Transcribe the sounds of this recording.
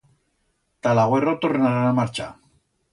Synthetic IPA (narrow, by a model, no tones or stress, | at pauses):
t̪alaɣwerot̪orenaɾanamaɾt͡ʃa̰